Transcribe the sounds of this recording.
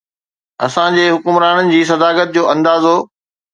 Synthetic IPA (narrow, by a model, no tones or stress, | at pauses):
ɐ̰sãd͡ʑeːɦʊkʊmɾaːɽənɪ̆d͡ʑiːs̬ɐd̪aːkət̪̚d͡ʑoːʔɐ̃nd̪aːzoː